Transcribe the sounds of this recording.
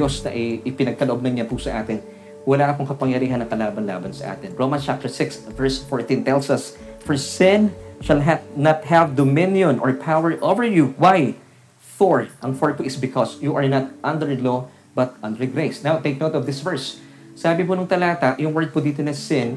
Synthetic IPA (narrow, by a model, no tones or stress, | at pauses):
osnɐ̰ʔɐɪpɪnɐɡ̚kɐloʔob̚nɐŋɲapusɐʔaːt̪ɪn | wɐlaːʔɐpʊŋkɐpɐŋjɐɾiːɦɐnːɐŋkɐlaːbɐnla̰ːbɐnsɐ̰ʔa̰ːt̪ɪnɹomɐnst͡ʃap̚t̪ɛɹsɪksvɛɹsfɔɹt̪ĩnt̪ɛlsɐs | fɔɹsɪ̃nʃɐlɦɛnɐt̪̚ɦɛvd̪omɪ̃njɔ̃nʔɔ̰ɹpʰawɛɹʔovəɹjuwaj | fɔɹʔɐŋfɔɹpuʔɪsbɪkʰɔsjuʔɐɹnɐt̪ʔɐ̃nd̪ɛɹlo | bɐt̪̚ʔɐ̃nd̪ɛɹɡɾejsnawt̪ejk̚noʊt̪ɔvd̪ɪsvɛɹsː | aːbɪpʊnʊŋt̪ɐlaːt̪ɐjʊŋwɛɹd̪̚pʊd̪iːt̪onɐsɪ̃n